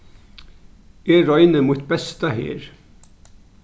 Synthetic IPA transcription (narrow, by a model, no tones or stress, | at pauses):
eɾɔjnəmut̪bɛst̪ɐɦḛːɾ